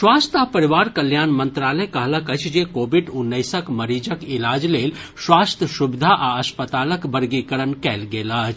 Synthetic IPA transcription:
swaːst̪apəɾiʋaːɾkəljaːnmə̃nt̪ɾaːləkɐɦləkət͡ʃʰd͡ʒekoːbiɖʊnːəɪsəkməɾid͡ʒəkilaːd͡ʒleːl | swaːst̪ʰjəʃubɪd̪ʱaʔaɐspət̪aːləkbəɾɡikəɾənkɛːlɡeːlat͡ʃʰ

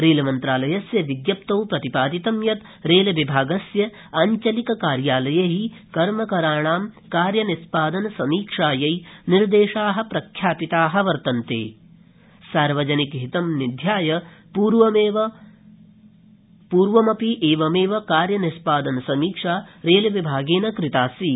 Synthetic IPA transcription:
ɾeːlɐmɐnt̪ɾaːlɐjɐsjɐʋiɡjɐp̚t̪ɐwpɾɐt̪ipaːd̪it̪ɐmjɐt̪ | ɾeːlɐʋibʱaːɡɐsjɐ | ɐɲt͡ʃɐlikɐkaːɾjaːlɐjɐɦikɐɾmɐkɐɾaːɳaːm | kaːɾjɐnispaːd̪ɐnɐsɐmiːkʂaːjɐjniɾd̪eːʂaːɦɐ̆pɾɐkʰjaːpit̪aːɦɐ̆ʋɐɾt̪ɐnt̪ḛː | saːɾʋɐd͡ʒɐnikɦit̪ɐmnid̪ʱjaːjɐpuːɾʋɐmeːʋɐ | puːɾʋɐmɐpiʔeːʋɐmeːʋɐkaːɾjɐnispaːd̪ɐnsɐmiːkʂaːɾeːlɐʋibʱaːɡeːnɐkɾit̪aːsi

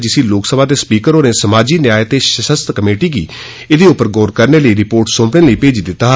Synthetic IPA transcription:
d͡ʒɪsiːloːksəbaːt̪eːspiːkəɾoːneːsəmaːd͡ʒiːnjaːjət̪eːʃəʃəst̪kəmeːʈiːɡḭː | ɪd̪eːʊpːəɾɡɔːɾkəɾneːləiːɾɪpoːɾʈsõːpɽeːləiːpeːd͡ʒd̪ɪt̪ːaː

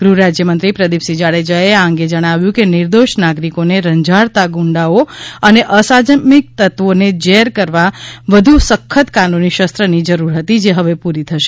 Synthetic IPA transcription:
ɡ̥ɾuɾad͡ʒjəmənt̪ɾipɾəd̪ipsid͡ʒaɭed͡ʒaeãŋɡed͡ʒəɽ̃aʋjũkenɪɾd̪oʃnaɡɾikoneɾəɲd͡ʒʱaɽt̪aɡuɳɖaoəneʔəsad͡ʒəmik̚t̪ət̪ʋoned͡ʒeɾkəɾʋaʋəd̪ʱusəkʰːət̪kanuniʃəst̪ɾənid͡ʒəɾuɾɦət̪id͡ʒeɦəʋepuɾit̪ʰəʃe̥

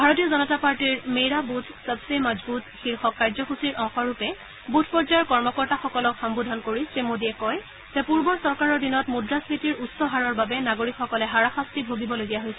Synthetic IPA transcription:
bʱaɹɔtijɔzɔnɔtapaɹtiɹmeɹabutʰsəbsemazbutxiɹxɔkːaɹzɔxusiɹʔɔ̃ŋxɔɹupɛ | butʰpɔɹzajɔɹkɔɹmɔkɔɹtaxɔkɔlɔkxɔmbudʱɔnkoɹisɹemodiɛkɔj | zɛpuɹbɔɹsɔɹkaɹɔɹdinɔtmudɹasɹitiɹutsɔɦaɹɔɹbabɛnaɡoɹikxɔkɔlɛɦaɹaxastibʱoɡibɔloɡijaɦojsɛ

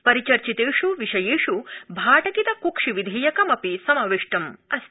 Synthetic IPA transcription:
pɐɾit͡ʃɐɾt͡ʃit̪eːʂuʋiʃɐjeːʂubʱaːʈɐkit̪ɐkukʂiʋid̪ʱeːjɐkɐmɐpisɐmɐʋiʂʈɐmɐs

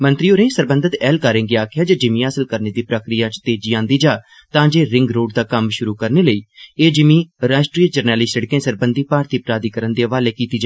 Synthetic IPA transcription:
mə̃nt̪ɾiːoːɾẽːsəɾbə̃nd̪ət̪ɛːlkaːɾẽːɡiaːkʰɪjaːd͡ʒəd͡ʒɪmĩːasəlkəɾneːd̪iːpɾəkɾɪjaːt͡ʃt̪eːd͡ʒiːãːnd̪iːd͡ʒaː | t̪ãːd͡ʒeːɾɪ̃ŋɡɾoːɖd̪aːkəmʃʊɾuːkəɾneːləiːeːd͡ʒɪmĩːɾaːʃʈɾiːəd͡ʒəɾnɛːlɪːsəɽkẽːsəɾbənd̪ʱiːpaːɾt̪iːpɾaːd̪iːkəɾənd̪eːʋaːleːkiːt̪iːd͡ʒaː

